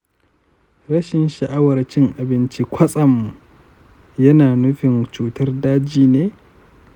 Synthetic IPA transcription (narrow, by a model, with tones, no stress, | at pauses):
ɾɐ˦ʃɪ˨nʃɐ˨ʔa˦wɐ˨rt͡ʃɪ˦ŋʔa˨bɪ˦nt͡ʃi˦kʷʰɐ˦sʼɐ˨mːu˨ | jɐ˦naː˨nʊ˦ɸɪ˨nt͡ʃuː˦tɐ˦rdaː˦d͡ʒiː˦neː˦